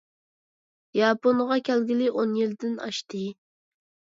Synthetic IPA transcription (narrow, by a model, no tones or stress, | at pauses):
jɑponʁɑkʲælɡʲilɪʔonjild̪ɪnɑ̰ʃt̪ɨ